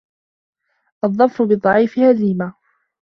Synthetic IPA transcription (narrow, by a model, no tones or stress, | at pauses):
ʔɑðˤːɑfɾʊbɨd̪ˤɑʕiːfɪhaziːma